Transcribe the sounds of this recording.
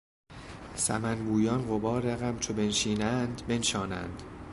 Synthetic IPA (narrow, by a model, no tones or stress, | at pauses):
sæ̰mænbuːjɒnɢobɒːɾeɣæmt͡ʃʰobe̞nʃiːnænd̪be̞nʃɒːnæ̰ːnd̪̥